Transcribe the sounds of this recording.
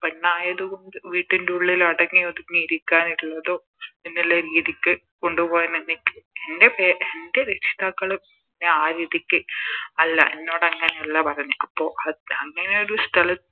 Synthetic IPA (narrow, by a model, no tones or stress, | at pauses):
pɐnːaːjɐðuɣoɳɖɨʋiːʈːinduɭːilɐɽɐŋːijoðunmːiɾikʲːaːniɭːɐðo̞ː | inːilːɐɾiːðikʲːɨ | ko̞ɳɖupo̞ːjaninːikːɨe̞nde̞peːʔende̞ɾet͡ɕʰi̥ðaːkːɐɭumt̪ɐnːeaːɾiːðikʲːɨɐlːɐ̰ʔenːo̞ːɽɐŋːɐneuɭːɐpɐrɐjɲːuɐpːo̞ːʔɐɐŋːɐne̞o̞ɾust̪ʰɐlɐt